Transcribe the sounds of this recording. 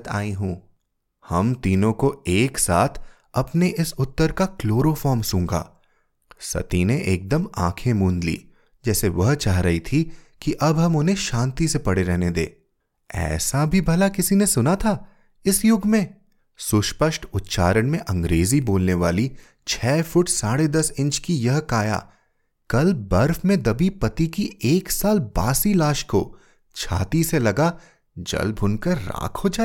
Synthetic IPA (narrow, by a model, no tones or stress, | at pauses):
t̪a̰ːĩɦũː | hɐmt̪iːnõkoeːksa̰ːt̪ʰ | ɐpneʔɪsʊt̪ːəɾkakloːɾofɔːɾmsũːŋɡa̰ː | sɐ̰t̪ineʔeːk̚d̪əmãːkʰẽmũːnd̪lḭː | d͡ʒɛːseʋɐɦt͡ʃaːɦɾɐɦit̪ʰikiʔɐbɦɐmʊnɦẽʃãːnt̪isepɐɽeɾɛɦned̪ḛː | ɛ̰ːsabʱibʱɐlakɪsinesʊnat̪ʰaː | ɪsjʊɡmẽ | sʊʃpəʃʈʰʊt̪ʃa̰ːɾəɽ̃mẽʔɐ̃ŋɡɾeːziboːlneʋa̰ːli | t͡ʃʰɛːfʰʊʈsaːɽed̪ɐsɪ̃nt͡ʃkijɐɦkaːja̰ː | kɐlbɐɾfmẽd̪ɐbipɐt̪ikieːksaːlba̰ːsilaːʃko̰ | t͡ʃʰa̰ːt̪iselɐɡa | d͡ʒɐ̰lbʱʊnkəɾːa̰ːkʰɦod͡ʒaːe